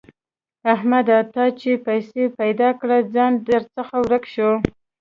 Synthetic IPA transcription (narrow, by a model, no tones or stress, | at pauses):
ahmad̪at̪ɑt͡ʃepajsepajd̪ɑkɽad͡zɑnd̪əɾt͡səxawɾəkʃo